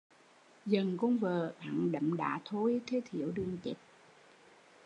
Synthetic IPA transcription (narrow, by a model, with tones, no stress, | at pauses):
zə˨˩nkɔ˧ŋ͡mvəː˨˩ʔa̰˧˩˨ŋɗə̰˧˨mɗa̰ː˧˥t̪ʰo˧˦jt̪ʰe˨˦t̪ʰi˧˩˨əwɗɨ˧əŋt̪ḭ˨˥t̚